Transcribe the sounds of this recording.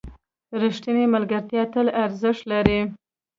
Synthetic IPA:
ɾiʂʈ̪inemalɡaɾt̪jɑt̪əlaɾzəʂlaɾi

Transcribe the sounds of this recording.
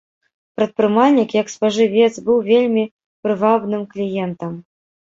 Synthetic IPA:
pɾɐt̪̚pɾɨmalʲnʲikjɐkspɐʐɨvʲɛt̪sbɨwvʲelʲmʲi | pɾɨvabnɨmklʲijɛnt̪ɐm

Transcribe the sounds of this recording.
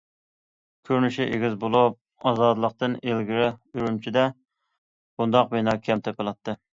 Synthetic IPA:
kʲʰøɾnyʃiʔeɡʲizbolˠup̚ɑzɑd̪əlˠəq̚t̪ɨnelɡʲiɾɪyɾymt͡ʃʰid̪ɛ | b̥und̪ɑqbenɑkʲʰɛmt̪ʰɛpɨlˠɑt̪ʰːɨ

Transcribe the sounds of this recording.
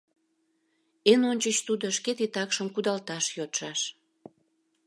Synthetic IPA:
enonʲt͡ɕət͡ɕt̪ud̪oʃket̪it̪ɑkʃəmkud̪ɑlt̪ɑʃjot̪ʃɑʃ

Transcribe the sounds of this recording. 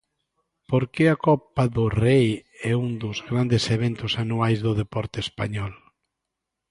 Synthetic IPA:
poɾkeakɔpaðʊrejɛund̪ʊzɣɾand̪ɪseβent̪ʊsanuajzðʊðepɔɾt̪eespa̰ɲɔl

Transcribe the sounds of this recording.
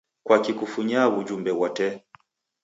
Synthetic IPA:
kwakikufuɲaβud͡ʒumbɛwɔtɛ

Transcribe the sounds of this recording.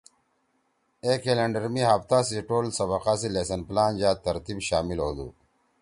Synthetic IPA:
ekelɐɳɖɐɾmiɦɐpt̪aːsiʈoːlsɐβɐqaːsilesɐnplaːnd͡ʑaːt̪ːɐɾt̪ibɕaːmiloːd̪ṵ

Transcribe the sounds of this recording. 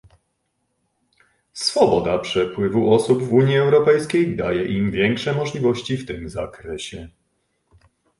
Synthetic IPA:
sfɔbɔd̪apʂɛpwɘvuʔɔsubvuɲjiɛwɾɔpɛjskʲejd̪a̰jɛʔimvʲjɛŋkʂɛmɔʐlʲivɔɕt͡ɕift̪ɘmza̰kɾɛɕɛ

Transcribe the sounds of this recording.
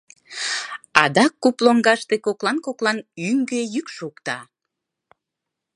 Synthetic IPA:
ɑd̪ɑkːuploŋɡɑʃt̪ekoklɑnkoklɑnyŋɡejykʃukt̪ɑ

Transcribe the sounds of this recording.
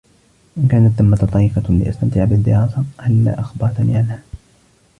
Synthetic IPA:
ʔɪnkaːnat̪ːamːat̪t̪ˤɑɾiːfalɪ̰ʔa̰st̪amt̪ɪʕabɪd̪ːɪ̰ɾɑːsɑhalːa̰ːʔaxbɑɾˤt̪aniʕalhaː

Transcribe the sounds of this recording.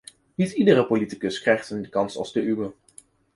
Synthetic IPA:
nitidərəpolitikəskrɛjχtəndəkɑnsɑ̰lˠzdəʔywə

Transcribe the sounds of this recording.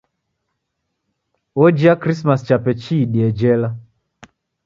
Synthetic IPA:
ɔd͡ʒiakɾismast͡ʃapɛt͡ʃiːɗiɛd͡ʒɛla

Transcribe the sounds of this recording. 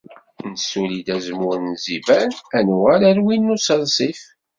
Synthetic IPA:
nəsulid̪æzmʊɾənzivænænʁæɾæɾwinːusəlsˤif

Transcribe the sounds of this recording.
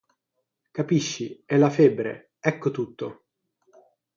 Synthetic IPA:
kapiʃːiɛlːafebːɾḛ | ɛkːot̪ut̪ːo

